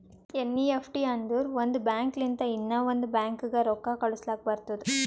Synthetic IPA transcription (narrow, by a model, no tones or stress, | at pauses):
enːiepʰʈiɐnd̪uɾʋond̪ubjaːŋklint̪ɐinːɐʋond̪ubjaːŋkɯɡɐɾɔkːaːkɐɭuslaːk̚ɐbɐɾt̪ːɐd̪u